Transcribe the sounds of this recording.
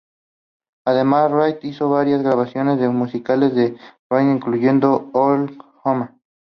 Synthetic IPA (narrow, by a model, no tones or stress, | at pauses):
aðemasrajt̪iso̞βaɾjazɣɾaβasjo̞nezðemusikale̞zðerajt̪iŋkluʝe̞nd̪o̞olxoma